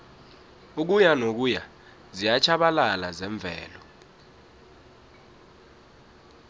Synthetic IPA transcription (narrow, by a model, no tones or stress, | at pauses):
uk̬ujanok̬uja | zijat͡ʃʰaɓalalazɛɱb̪vʱɛ̰ːlɔ